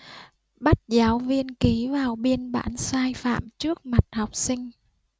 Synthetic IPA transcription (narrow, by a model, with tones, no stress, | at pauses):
ɓa˦˥t̚zaː˨˦wvi˧ənki˨˦vaː˨˩wɓi˧ənɓa̰ː˧˨nsaː˧jfa̰ː˧˨mt͡ɕɨ˦˥ək̚ma˨˩t̚hɔ˨˩wk͡p̚sï˧ŋ̟